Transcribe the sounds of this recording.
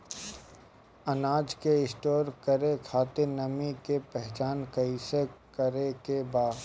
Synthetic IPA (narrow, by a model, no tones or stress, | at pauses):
ɐnaːd͡ʒkeɪsʈoːɾkəɾekʰaːt̪enɐmikepɛɦt͡ʃaːnkɐisekəɾekebaːd̪